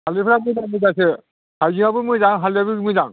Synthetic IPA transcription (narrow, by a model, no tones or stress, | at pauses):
halipʰɾamɯzamɯzase | hajziŋabɯmɯzaŋɦaliabimɯjzaŋ